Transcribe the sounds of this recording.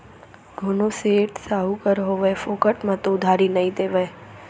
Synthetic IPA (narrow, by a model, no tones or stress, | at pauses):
ɡʱʊnoseːʈsaɦukəɾɦoʋefokəʈmãt̪od̪ʱaɾinəĩd̪eʋa